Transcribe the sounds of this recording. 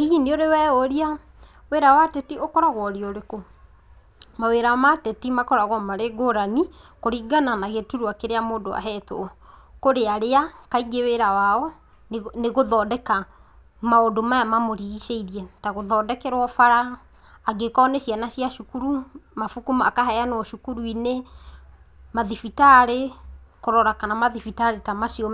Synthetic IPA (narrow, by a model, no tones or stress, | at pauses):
iɣinioɾewɛoɾia | weɾawatɛtiokɔɾaɣwɔɾiɔɾeko | maweɾamatɛtimakɔɾaɣwɔmaɾeɡoɾanikoɾiɡananaɣetuɾuakeɾeamoːndoa̰ɦɛtoɔkoɾeaɾeakaiɡeweɾawaɔ | nneɣoðɔːdɛka | maodomajamamoɾiɣiʃeiɾiɛtaɣoðɔːdɛkɛɾwɔfaɾa | aɡekɔːnɛʃianaɕiaʃukuɾumafukumaakaɦɛjanɔʃukuɾuine | maðifitaɾekoɾɔɾakanamaðifitaɾetamaʃiɔ